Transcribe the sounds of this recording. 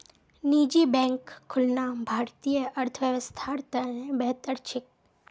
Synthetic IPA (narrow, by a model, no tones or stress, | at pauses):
niːd͡ʒibɛ̃ŋkʰːʊlnabʱaːɾt̪ijəʔɐɾt̪ʰəʋjəʋəst̪ʰaɾt̪anẽbɛɦt̪əɾt͡ʃʰɪk̚